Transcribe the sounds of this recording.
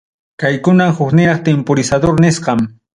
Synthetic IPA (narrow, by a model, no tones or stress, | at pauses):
kajkʊnamhʊknɪɾɑχt̪empoɾɪsad̪oɾnɪsqɑm